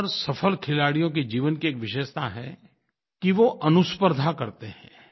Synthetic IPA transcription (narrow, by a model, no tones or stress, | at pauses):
ɾsɐfʰəlkʰɪlaːɽijõk̬ed͡ʒiːʋənkieːkʋɪʃeːʃt̪ʰaɦɛ̰ | kiʋoʔɐnʊspəɾd̪ʱakɐɾt̪eɦɛ̃ː